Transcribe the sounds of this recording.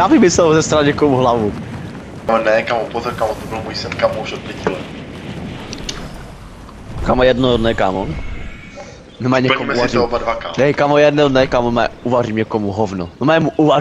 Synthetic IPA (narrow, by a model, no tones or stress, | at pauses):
jaːbɪmɪsɛlzɛst̪ɾaɲɛkomuɦlavu | onɛkamopozoɾkamot̪obɪlmujsɛnkamouʃot̪̚pʲɛcilɛ | kamojɛdnodnɛka̰ːmo | nɛmaɲɛkkomɛuvaɾtɛobadvakaːmnɛkamojɛdnonɛkamomɛ̰uvariːmɲɛkomuɦovnonomɛmuʔuva